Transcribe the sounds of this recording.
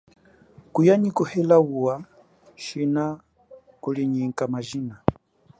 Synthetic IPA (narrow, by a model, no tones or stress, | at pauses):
kujaɲikuhɛlawuwa | ʃina | kuliɲiŋ̩kamaʒina